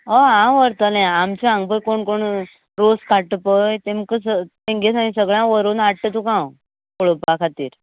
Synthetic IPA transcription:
oɦãʋəɾt̪əlãamt͡ɕiãŋɡ̚pəkoɳkoɳ | ɾoskaʈəpəjt̪ẽmkəsət̪ẽŋɡesaĩsəɡɭjãʋəɾonaʈʈət̪ukãw | koɭəpakʰat̪ḭːɾ

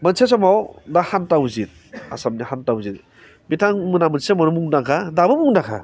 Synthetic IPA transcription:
manses̬ɔmawdahantawzit̚a̰samnihantawzit̚ | mitʰaŋmɯnamɯnsemanumuŋnakʰadabɯmuŋnakʰa̰

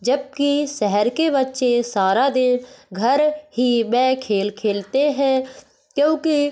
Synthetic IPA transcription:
d͡ʒəb̚kiʃɛɦɛɾkebətːʃesaːɾad̪ɪnɡʱəɾɦimɛ̃ːkʰeːlkʰeːlt̪eɦɛ̃ː | kjõːki

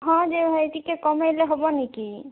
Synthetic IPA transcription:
ɦɔ̃d͡ʒeetikekɔmajleɦobɔniki

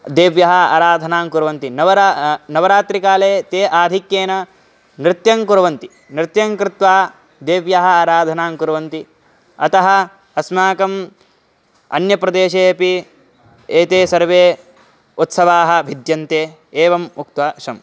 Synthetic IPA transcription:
d̪eːʋjɐɦɐaːɾaːd̪ʱɐnaːŋkuɾɐʋɐnt̪inɐʋɐɾnɐʋɐɾaːt̪ɾikaːleːt̪eːʔaːd̪ʱikjeːnɐ | nɾɪt̪jɐŋkuɾɐʋɐnt̪i | nɾɪt̪jɐŋkɾɪt̪ʋaː | d̪eːʋjɐɦɐaːɾaːd̪ʱɐnaːŋkuɾɐʋɐnt̪i | ɐt̪ɐɦɐ̆ | ɐsmaːkɐm | ɐ̰njɐpɾɐd̪eːʃeːɐpi | eːt̪eːsɐɾʋeː | ut̪sɐʋaːɦɐ̆bʱid̪jɐnt̪eː | eːʋɐmuk̚t̪ʋaːʃɐm

